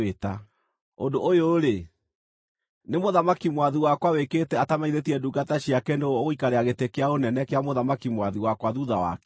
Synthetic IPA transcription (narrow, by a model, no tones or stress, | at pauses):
eta | o̰ndoʔojoɾe | nemoðamakimwaðiwakwaweketɛatamaiðetiɛduːɡataɕjakendooɣikaɾeaɣetekejaonɛnɛkeamoðamakimwaðiwakwaðuðawa̰kɛ